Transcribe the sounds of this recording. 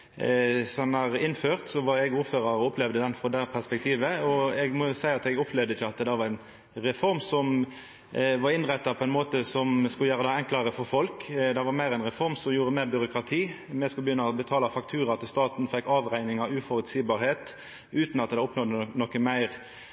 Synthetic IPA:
sɔɑnɑɾɪnːføːʁt̪sɔʋɑɾɛɡuːɾføːɾɑɾɔʊplɛʋd̪əd̪ɛnfɾɔd̪æpʰæʁspɛk̚t̪ʰiːʋəɔɛɡmɔsæɪɑt̪ɛɡɔpʰlɛʋd̪əɪçːəɑt̪d̪ɛʋɑɾɛn | ɾɛfɔɾmsɔm | ʋɑɾɪnʁɛt̪ːɑpʰɔɛnmoːt̪əsɔmskʉləjæːɾəd̪ɛɛŋklɑɾəfɔɾfɔlkd̪ɛʋɑɾmæɪɾɛnʁɛfɔɾmsɔmjuːɾəmeːɾbʏɾʊkɾɑt̪ʰiː | mɛskʉləbəjʏnːɑɔbət̪ʰɑːlɑfɑk̚t̪ʰʉːɾɑt̪ʰɪst̪ɑːt̪n̩fɛkːɑːʋʁæɪnɪŋɑʉfɔɾʉt̪siːbɑːɾheːt̪ | ʉːt̪nɑt̪d̪ɛɔpnɔd̪ːənɔkːəmæɪʁ

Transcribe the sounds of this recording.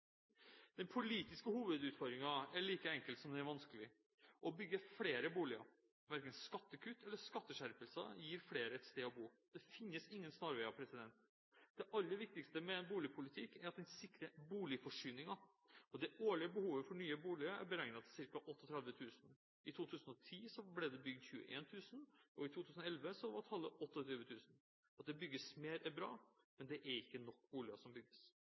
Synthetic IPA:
d̪̥ɛnpʰʊliːt̪ɪskəhuːʋəd̪ʉːt̪fɔɾmɪŋɑæɭiːkəɛŋkəlt̪sɔmd̪ɛnæɾʋɑnskəlɪ | ʔɔbʏɡːəfleːɾəbuːlɪɑ̰ | ʋæɾkənskɑt̪ːəkʰʉt̪ːɛlːəʂkɑt̪ːəʂæɾpəlsə̰jiːɾfleːɾəɛt̪st̪eːɔbuːd̪̥ɛfɪnːəsɪŋːənsnɑɾʋɛːɑpʰɾɛsɪd̪ɛnt̪ | d̪̥ɛʔɑlːəʋɪkt̪ɪkst̪əmɛɛnbuːlɪpʰʊlɪt̪ʰɪkːæɾɑt̪̚d̪ɛnsɪkːɾəbuːlɪfɔʂyːnɪŋɑ | ɔd̪ɛoːɭɪəbəhuːʋəfɔɳyːəbuːlɪɑæ̰ɾbəɾæɪnɑt̪sɪɾkɑʔɔt̪ːɔt̪ʰɾɛd̪ʋət̪ʰʉːsn | ɪt̪ʰuːt̪ʰʉːsənɔt̪ʰiːsɔblɛd̪ɛbʏɡd̪çʉːə̰ʔḛːnt̪ʰʉːsən̩ɔɪt̪ʰuːt̪ʉːsn̩ɔɛlʋəsɔʋɑt̪ʰɑlːəʔɔt̪ːɔt̪ʰyːʋət̪ʰʉːsn̩ | ɑt̪̚d̪ɛbʏɡːəsmeːɾɛnbɾɑ̰ː | mɛnd̪ɛʔæɾɪkːənɔkːbuːlɪɑsɔmbʏɡ̚əs

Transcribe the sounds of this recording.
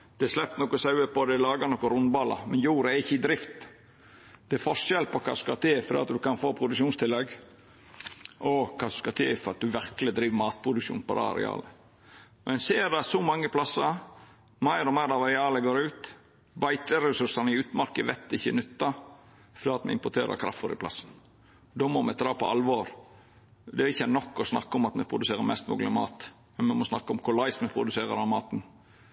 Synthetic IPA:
d̪̥ɛslɛpːnɔkɔsɑʉəpɔd̪ɛlɑːɡɑnɔkʊɾʊnbɑːlɑ̰mɛnjuːɾəæɾɪçːəɪd̪ɾɪft̪ | d̪̥ɛæɾfɔʂɛlt̪̚pɔkʰɑ̰ːsʉ̥skɑt̪ʰeːfɔɾ̰ɑ̰t̪̚d̪ʉkɑnfoːpʰɾʊd̪ʉkʂuːnst̪ʰɪlːɛɡ | ʔɔkʰɑːsʉ̥skɑt̪ʰḛːfɔɾɑt̪̚d̪ʉʋæɾkəlɪd̪ɾiːʋmɑːt̪̚pʰɾʊd̪ʉkʃṵːnpɔd̪ɑ̰ɑ̰ɾɪ̰ɑ̰ːlə | mʔɛnseːɾɖɑsɔmɑŋːəpʰlɑsːəɾ | mæɪɾɔmæɪɾdɑʋɑɾɪɑːləɡoːɾʉːt̪ | bæɪt̪əɾɛsʉɾsɑnəɪʉːt̪mɑɾkəʋɛt̪ːɪçːənʉt̪ːɑ | fd̪əːɑt̪mɛ̰ɪ̰mpɔʈ̪ʰeːɾə̰kʰɾɑ̰ft̪ɔɾɪ̰pʰlɑ̰sːn | d̪oːmɔmɛd̪ɾɑːpɔ̰ɑlʋoːɾ | d̪ɛæɪçːənɔkːɔsnɑ̰kːəɔmɑt̪mɛpʰɾʊd̪ʉseːɾəmɛst̪mṵːɡlɪmɑ̰ːt̪ | mɛnmɛmɔsnɑ̰kːəɔmkʰʊlɑɪsmɛpʰɾʊd̪ʉseːɾə̰ɾɑʋmɑːt̪n̩

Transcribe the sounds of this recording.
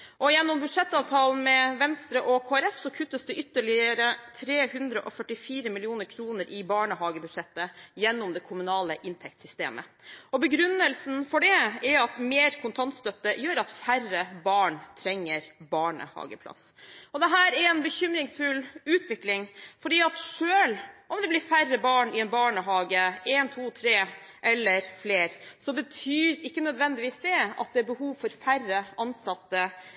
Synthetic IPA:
ɔjɛnːɔmbʉd̪ʂɛt̪ːɑːʋt̪ʰɑːln̩mɛʋɛnst̪ɾəʔɔkʰoːɛɾɛfsɔkʰʉt̪ːəsd̪ɛʔʏt̪ːəɭɪəɾət̪ʰɾeːhʉnd̪ɾəʔɔfœʈɪfiːɾəmɪlɪuːnəɾkʰɾuːnəɾʔɪbɑːɳəɦɑːɡəbʉd̪̥ʂɛt̪ːəjɛnːʊmd̪ɛkʰʊmʉnɑːləʔɪnt̪ʰɛk̚t̪sʏst̪eːmə̰ɔbəɡɾʉnːəlsn̩fɔɖɛɛɑt̪meːɾkʰʊnt̪ʰɑnt̪st̪œt̪ːəjøːɾɑt̪færəbɑːɳt̪ʰɾɛŋːəɾbɑːɳə̰hɑ̰ːɡəpʰlɑ̰s | ɔd̪ɛɦæːɾɛɾɛnbəçʏmɾɪŋsfʉlʉːt̪ʋɪklɪŋfɔɖiːɑt̪ʂøːlʔɔmd̪ɛblɪɾfærəbɑːɳɪɛnbɑːɳəɦɑːɡəɛːnt̪ʰuːt̪ʰɾeː | ʔɛlːəɾfleːɾsɔbət̪ʰyːɾɪkːənœd̪ʋɛnd̪ɪʋiːsd̪ɛɑ̰t̪̚d̪ɛæɾbəhuːʋfɔɾfærəʔɑnsɑt̪ːə

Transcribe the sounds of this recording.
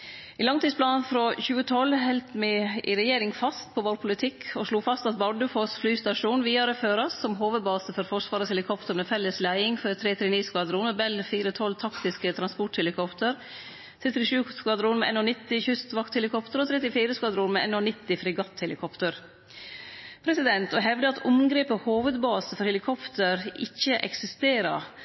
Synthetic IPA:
ʔiːlɑŋt̪iːspʰlɑːnfɾoːçʉːət̪ʰɔlɦɛlt̪mɛɪ̰ɾɛjeːɾɪŋfɑst̪̚pʰoːʋoːɾpʰʊlɪt̪ʰɪkʰoʂluːfɑst̪ɑt̪̚bɑɖəfoːsflyːst̪ɑʂuːnʋiːɑɾəføːɾɑssɔmɦoːʋəd̪bɑːsəfɔɾfɔʂʋɑːɾəshɛlɪkʰɔpt̪ʰəɾmefɛlːəslæɪɪŋføɾt̪ʰɾeːt̪ʰɾɛniːskʋɑd̪ɾuːmebɛlfiːɾət̪ʰɔlt̪ʰɑkt̪ɪskət̪ʰɾɑnspɔʈhɛlɪkʰɔpt̪əɾ | t̪ʰɾɛt̪ɾɪʂʉːskʋɑd̪ɾuːnmɛɛ̰noːnɪt̪ːɪçʉst̪ʋɑkt̪hɛlɪkʰɔpt̪əɾɔt̪ʰɾɛt̪ɪfiːɾəskʋɑd̪ɾuːnmɛɛ̰noːnɪt̪ːɪfɾɪɡɑt̪hɛlɪkʰɔpt̪əɾ | pʰɾɛsɪd̪ɛnt̪ʰɔɦɛʋd̪əɑt̪ʰʊmɡɾeːpəhoːʋəd̪bɑːsəfɔɾhɛlɪkʰɔpt̪əɾɪçːəʔɛ̰ksɪst̪eːɾɑ̰

